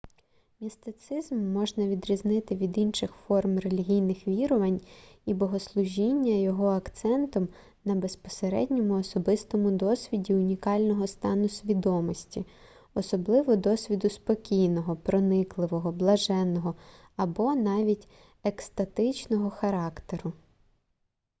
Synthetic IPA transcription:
mʲist̪ɪt̪sɪzmːɔʒnɐʋʲid̪ɾʲiznɪt̪ɪʋʲid̪inʃɪxfɔrmrelʲiɦʲijnɪxʋʲiɾɔʋɐnʲibɔɦɔslˠʊʒʲinʲːɐjɔɦɔɐkt̪sɛnt̪ɔm | nɐbespɔ̥seɾɛ̰dʲnʲɔmʊɔsɔbɪst̪ɔmʊd̪ɔsʲʋʲidʲiʊnʲikɑlʲnɔɦɔst̪ɑnʊsʲʋʲid̪ɔmɔsʲtʲi | ɔsɔblˠɪʋɔd̪ɔsʲʋʲid̪ʊspɔkʲijnɔɦɔpɾɔnɪklˠɪʋɔɦɔblˠɐʒɛnːɔɦɔ | ɐbɔnɑʋʲitʲ | ekst̪ɐt̪ɪt͡ʃnɔɦɔxɐɾɑkt̪eɾʊ

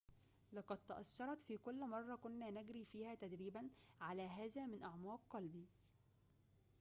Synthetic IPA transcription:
lɑqɑd̪̚t̪ɑʔɑsːɑɾˤɑt̪fiːkʊlːmɑrˤːɑkʊnːæːnæɡɾiːfiːhæːt̪æd̪ɾiːbænʕalæːɦæːzæːmɪnʔɑʕmɑːq̚qɑlbiː

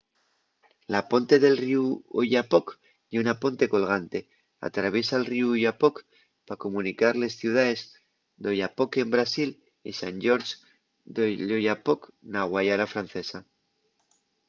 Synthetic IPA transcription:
lapo̞nt̪e̞ðe̞lriuoʝapo̞k | jeunapo̞nt̪e̞ko̞lɣ̞ant̪e̞ | a̰t̪ɾaβ̞je̞salriuuʝapo̞k | pako̞mũnikaɾle̞sθjuwð̞ae̞z | d̪o̞ʝapo̞ke̞mbɾasil | isanɟ͡ʝo̞ɾs | d̪oʎoʝapoknaɣwajaɾafɾan̟θe̞sa

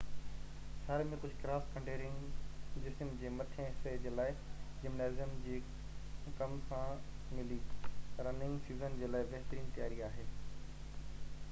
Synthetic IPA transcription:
saːɾemẽkʊd͡ʑʱkɾaːskʰɐ̃ɳɖeːɾɪ̃ŋɡd͡ʑɪsəmd͡ʑeːmɐt̪ʰə̃ɪsed͡ʑeːlaːɪd͡ʑɪmnaːzɪjəmd͡ʑiː | kɐmsãmɪliɐɾɐnɪ̃ŋɡsiːzənd͡ʑeːlaːɪbɐɦɪt̪əɾiːnt̪ɐjaːɾiaːɦeː

